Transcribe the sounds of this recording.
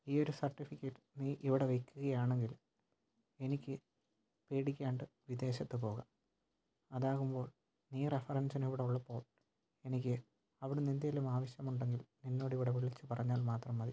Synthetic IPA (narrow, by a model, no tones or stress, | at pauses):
iːo̞ɾusɐrʈːifikʲːeːʈːɨ̥niʔiʋiɽe̞ʋejkːuɣɐjaːɳe̞ŋɡil | e̞nikʲːɨ | pe̞ːɽikʲːaːɳɖɨʋid̪e̞ːɕɐt̪ːɨpo̞ːɣɐ | ɐðaːɣumbo̞ːɭ | niːrefɐrɐnsɐniʋiɽeuɭːɐpːo̞ːɭ | e̞nik̬ʲːɨ | ɐʋiɽunind̪ɐɐlumaːʋɐɕjɐmuɳɖe̞ŋɡilninːo̞ːɽɨiʋiɽeʋiɭit͡ɕːɨpɐrɐɲːaːlmaːt̪rɐmːɐði